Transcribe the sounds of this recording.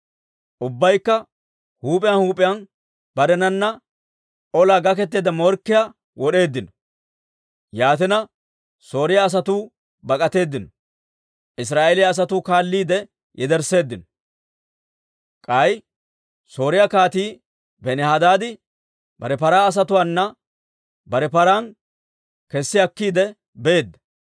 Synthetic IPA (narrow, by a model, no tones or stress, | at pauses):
ʔʊbːɐjkːɐ | huːpʼɪjɐnhuːpʼɪjɐn | b̥ɐɾɛnɐnːɐ | ʔɔlaːɡɐk̬ɛt̪̬ːeːd̪ɐmɔɾkːɪja | wɔɗe̞ːd̪ːɪnɔ̥ | jaːt̪ɪnɐ | so̞ːɾɪjaːs̬ɐt̪uː | bɐkʼɐt̪e̞ːd̪ːɪnɔ | ʔɪs̬ɾaːʔelɪjaːs̬ɐt̪uːkaːlːiːd̪ɛ | jʔɛd̪ɛɾse̞ːd̪ːɪnɔ | kʼɐj | so̞ːɾɪjakaːt̪iː | bɛnɛhad̪aːd̪ɪ | bɐɾɛpɐɾaːɐs̬ɐt̪ʊwaːnːɐ | bɐɾɛpɐɾaːn | kɛsːɪɐkːiːd̪ɛ | bɛeːd̪ːɐ̥